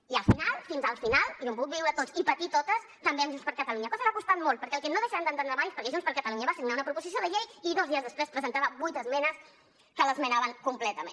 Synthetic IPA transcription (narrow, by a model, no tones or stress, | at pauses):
iəlˠfinalˠfinzəlˠfinalˠomp̬uut̪biwɾət̪ot͡sipət̪it̪ot̪əs | t̪əmbeəmʒunspəɾkət̪əluɲəkɔzəβakust̪at̪̚molˠt̪̚pəɾkɛəlˠkɛnoðəʃaand̪ənt̪ənɾəmajespəɾkɛʒunspəɾkət̪əluɲəβasiɡnaunɐəpɾupuzisioðəʎejiðozðiəzðəspɾespɾəzənt̪aβəbujt̪əzmɛnəs | kələzmənaβəŋkumplɛt̪əmḛ̃